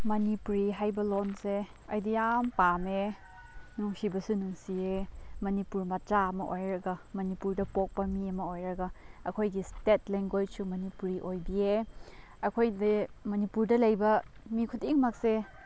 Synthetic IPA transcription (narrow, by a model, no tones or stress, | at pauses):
mɐnipuɾiɦajbɐlonse | ɐjdijampame | nuŋsibɐsunuŋsiemɐnipuɾmɐt͡ʃaɐmɐʔojɾɐɡɐmɐnipuɾdɐpok̚pɐmiɐmɐojɾɐɡɐɐkʰojɡistet̚leŋɡojsumɐnipuɾiʔojbie | ɐkʰojdimɐnipuɾdɐlɐjbɐmikʰutiŋmak̚se